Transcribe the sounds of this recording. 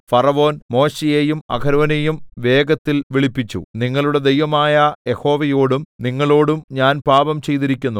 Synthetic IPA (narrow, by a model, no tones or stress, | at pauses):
fɐrɐʋo̞ːnmo̞ːɕejeːjumɐ̰ɡʰʱɐɾɐʋɐnejumʋe̞ːɡɐt̪ːilʋiɭipːit͡ɕːṵniŋːɐɭuɽe̞d̪e̞jʋɐmaːjɐje̞ho̞ːʋɐjo̞ːɽumniŋːɐɭo̞ːɽumɲaːnpaːbɐmt͡ɕe̞jt̪iɾikʲːunːu